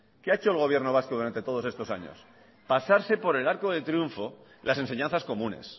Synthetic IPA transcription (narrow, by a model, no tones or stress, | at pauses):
keaet͡ʃoelɣ̞o̞β̞je̞ɾnoβ̞askoðuɾant̪e̞t̪oðo̞se̞st̪o̞sa̰ɲo̰s | pasaɾse̞po̞ɾe̞laɾkoðet̪ɾijuɱfo̞ | lʔase̞ns̬e̞ɲãnθasko̞mũne̞̰s